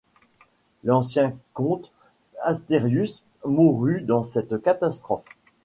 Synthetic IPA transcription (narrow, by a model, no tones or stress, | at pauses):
lɑ̃sjɛ̃kɔ̃t̪ | ast̪eʁjys | muʁyd̪ɑ̃sɛt̪kat̪ast̪χɔf